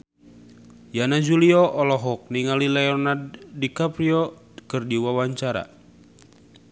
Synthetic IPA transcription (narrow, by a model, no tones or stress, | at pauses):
janad͡ʒuliɔʔɔlɔɦɔk̚niŋalilɛɔnadːikapɾiɔ | kɨrdiwawaɲt͡ʃaɾa̰